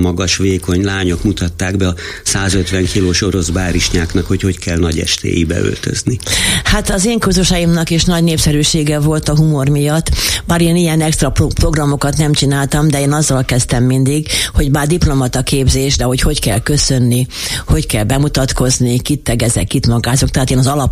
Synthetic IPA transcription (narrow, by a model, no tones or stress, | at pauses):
mɒɡɒʃʋeːko̞ɲlaːɲo̞kmut̪ɒt̪ːaːɡbɛɒ | saːzøt̪ʋɛŋkʰiloːʃo̞ɾo̞zbaːɾiʃɲaːknɒkho̞cho̞ckʰɛlnɒɟɛ̰ʃt̪ḛːjḭbɛ̰ø̰lt̪ø̰znihat̪ɒzeːŋkuzuʃɒjimnɒkeːʃnɒɟneːpsɛɾyːʃeːɡɛvo̞lt̪ɒɦumo̞rmijɒt̪ːbaːɾeːnijɛnɛkst̪rɒpopro̞ɡrɒmo̞kɒt̪nɛmt͡ʃinaːlt̪ɒmd̪ɛeːnɒzːɒlkɛst̪ɛmːind̪iɡho̞ɟbaːrd̪iplo̞mɒt̪ɒkeːbzeːʃd̪ɛho̞cho̞ckɛlkø̞sø̞nːi | ho̞ckɛlbɛmut̪ɒt̪ko̞znikit̪ːɛɡɛzɛ̰kːit̪mɒɡaːzok̚t̪ɛɦaːt̪eːnɒzɒlɒp